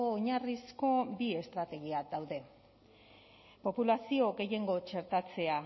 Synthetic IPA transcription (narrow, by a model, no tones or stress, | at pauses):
ɲarisko̞bie̞st̪ɾat̪e̞ɣ̞iadawðe̞ | po̞pulasio̞ɡe̞je̞ŋɡo̞t͡ʃe̞ɾt̪at͡se̞a